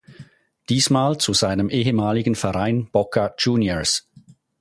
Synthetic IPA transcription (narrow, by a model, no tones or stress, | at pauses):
d̥iːsmaːlt͡suzaɪnəmʔeːɦəmaːlɪɡn̩fɛɐʁaɪnb̥ɔkʰad͡ʒuːnjəs